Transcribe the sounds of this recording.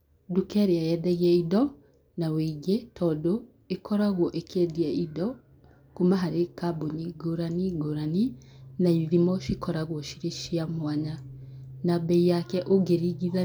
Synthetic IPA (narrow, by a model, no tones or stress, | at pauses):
dukɛɾeajɛdɛɣiɛidɔ | naweɡetʰɔdo | ekɔɾaɣwɔʔekʰɛdiɛidɔ | kumaɦaɾekaboɲiɡoɾaniɡoɾaninaiðimɔʃikɔɾaɣwɔʃiɾeʃiamwaɲanabɛijakɛʔoɡeɾiɣiða